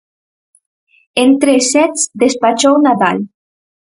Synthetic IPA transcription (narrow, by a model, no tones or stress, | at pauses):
ent̪ɾesɛt͡sd̪espat͡ʃownaða̰l